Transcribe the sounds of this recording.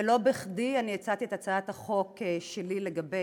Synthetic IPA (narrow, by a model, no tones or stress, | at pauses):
elo̞beχdianijet͡sat̪ietat͡saat̪haχo̞keʃelileɡabe